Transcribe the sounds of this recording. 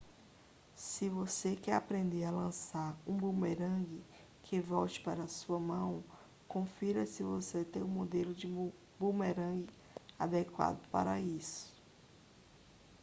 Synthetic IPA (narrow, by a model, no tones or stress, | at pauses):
sɪvosekɪapɾẽnd̪ealɐ̃saɾũbumeɾɐ̃ɡɪ | kʰɪvɔwt͡ʃɪ̥paɾɐsuɐmɐ̃w̃ | kõfiɾɐsɪvoset̪ẽj̃ũmod̪elʊd͡ʒɪ | bumeɾɐ̃ɡɪ | ad̪ekwa̰d̪ʊpa̰ɾɐisʊ̥